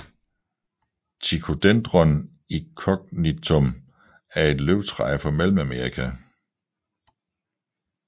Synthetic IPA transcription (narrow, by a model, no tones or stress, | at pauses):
t͡sʰikʰo̝d̥end̥ʁɒn | ikʰɒ̽ɡ̥̚nit͡sʰom | æɐe̝d̥løʊ̥t͡sʰʁɑ̈ɪfɒ̽mel̰m̩æmeɐʁikʰæ